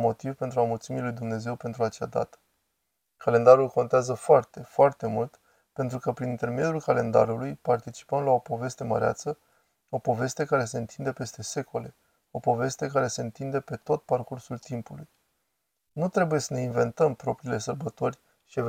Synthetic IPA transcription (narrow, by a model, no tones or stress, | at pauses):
mo̞t̪ivpe̞nt̪ɾuamult̪similujd̪umne̞ze̞wpe̞nt̪ɾuat͡ʃad̪a̰t̪ə̥ | kale̞nd̪aɾulko̞nt̪eazəfoart̪e̞foart̪e̞mult̪ | pe̞nt̪ɾukəpɾinint̪e̞rme̞d̪julkale̞nd̪a̰ɾulujpart̪it͡ʃi̥pəmlao̞po̞ve̞st̪e̞mə̰ɾea̰t̪sə | o̞po̞ve̞st̪e̞kaɾe̞se̞ɨnt̪ʰind̪e̞pe̞st̪e̞se̞ko̞le̞ | o̞po̞ve̞st̪e̞kaɾe̞se̞ɨnt̪ind̪e̞pe̞t̪o̞t̪̚parkursult̪impuluj | nut̪ɾe̞buje̞səne̞inve̞nt̪əmpɾo̞pɾiːle̞sərbət̪o̞rʲ | ʃie